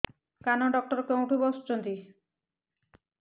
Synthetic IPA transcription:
kanɔɖɔk̚ʈɔɾkeũʈʰubɔst͡ʃond̪i

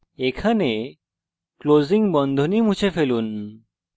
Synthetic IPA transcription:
ekʰane | kloziŋɡbɔnd̪ʱonimũt͡ɕʰefeluːn

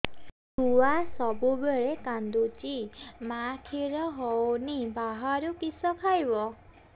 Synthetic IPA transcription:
tuwasɔbubeɭekand̪ut͡ʃimakʰiɾɔɦɔwnibaɦaɾukisɔkʰajbɔ

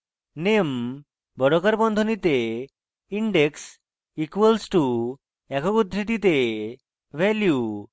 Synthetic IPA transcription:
nem | bɔɾɔkaɾbɔnd̪ʱɔnit̪e | iɳɖeks | ikuwelsʈu | ɛkɔkud̪ʱɾiʈ̪it̪e | ʋɛlju

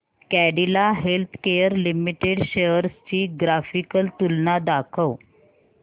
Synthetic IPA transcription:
kæɽilaɦelt̪ʰkejəɾlimiʈeɽɕejəɾst͡ɕiːɡɾafikəlt̪ulnad̪akʰəw

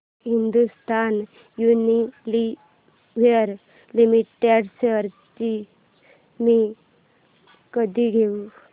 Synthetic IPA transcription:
ɦind̪ust̪ʰan | junili | ʋeəɾ | limiʈeɖseəɾt̪i | mi | kəd̪iɡʱeu

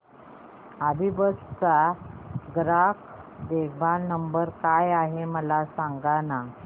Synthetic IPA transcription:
abʱibəst͡sa | ɡɾakʰ | d̪eɡbʱalnəmbəɾkajaɦeməlasaŋɡana

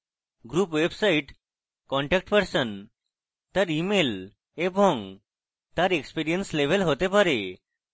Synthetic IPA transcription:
ɡɾuːpʋebsaiʈ | kɔɳʈɛk̚ʈpəɾsən | t̪əɾimel | ebʱɔŋ | t̪aɾekspiɾijənsleʋəlɦot̪epaɾe

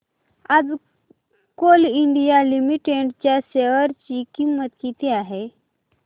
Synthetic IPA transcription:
ad͡z | koliɳɖijalimiʈeɖt͡ɕjaseʋəɾt͡ɕikimət̪kit̪iaɦe

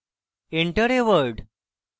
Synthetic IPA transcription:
eɳʈəɾeʋəɾɖ

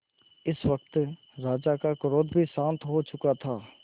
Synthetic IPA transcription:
ɪswɐk̚t̪ | ɾaːd͡ʒakakʊɾoːd̪bʱisãːnt̪ɦot͡ʃʊkat̪ʰaː

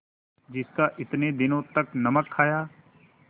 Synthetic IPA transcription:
d͡ʒɪskaʔɪt̪ned̪ɪnõt̪ɐknɐməkʰːaːjaː

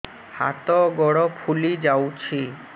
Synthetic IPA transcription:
ha̰t̪ɔɡɔɽɔpʰulid͡ʒawt͡ɕʰi

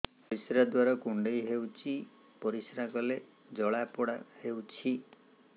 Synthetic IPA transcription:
pɔɾisɾad̪waɾɔkuɳɖejɦewt͡ʃʰi | pɔɾisɾakɔle | d͡ʒɔɭapɔɽahewt͡ʃʰi

